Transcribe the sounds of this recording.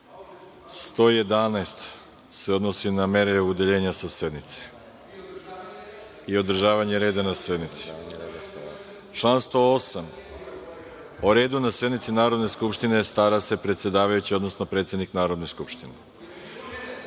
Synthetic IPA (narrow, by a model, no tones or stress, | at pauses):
st̪o̞ːje̞d̪anaest̪ | seo̞d̪no̞siname̞ɾeud̪eʎe̞ːɲasase̞d̪nit̪se̥ | io̞d̪r̩ʒaːʋaɲeɾeːd̪anase̞d̪nit̪si̥ | t͡ʃlaːnst̪o̞osam | oɾe̞ːd̪unase̞d̪nit̪sinaːɾo̞d̪ne̞skupʃt̪ine̞st̪aɾase̞pɾet̪sje̞d̪aːʋajut͡ɕio̞d̪no̞snopɾet̪se̞d̪niknaːɾod̪ne̞skupʃt̪ine